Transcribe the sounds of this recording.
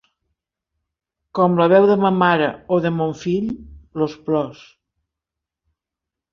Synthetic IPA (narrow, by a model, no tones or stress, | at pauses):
kɔmləβ̞ɛwðəməmaɾəoðəmoɱfiʎlosplɔs